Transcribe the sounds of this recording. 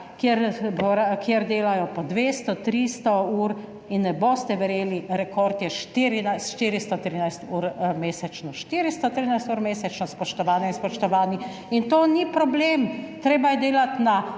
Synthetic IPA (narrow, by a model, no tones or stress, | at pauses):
kjeɾboɾakjeɾd̪eːlajɔpɔd̪ʋeːst̪ɔt̪ɾist̪ɔuːɾ | inːɛbost̪ɛʋɛɾeːliɾɛkɔɾt̪jɛʃt̪iɾinajsʃt̪iːɾist̪ɔt̪ɾiːnajst̪uːɾmeːsɛt͡ʃnɔʃt̪iːɾist̪ɔt̪ɾiːnajst̪uːɾmeːsɛt͡ʃnɔspɔʃt̪ɔʋaːnɛinspɔʃt̪ɔʋaːni | int̪oːnipɾɔbleːmt̪ɾeːbajɛd̪eːlat̪na